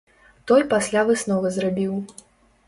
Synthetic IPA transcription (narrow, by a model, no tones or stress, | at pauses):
t̪ɔjpasʲlʲavɨsnɔvɐzrabʲiw